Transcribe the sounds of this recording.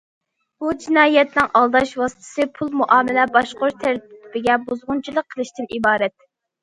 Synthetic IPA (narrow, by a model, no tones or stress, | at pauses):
b̥ud͡ʒinɑːjɛt̪nɪŋʔɑlˠd̪ɑʃwɑsɨ̥t̪ʰɨ̥sɨpʰulˠmuʔɑːmɪlɛbɑʃqoɾt̪ʰæɾt̪ɪbɪɡʲɛbuzʁʊnt͡ʃʰilˠəqʰːəlˠɨʃt̪ɪnibɑːɾɛt̪̚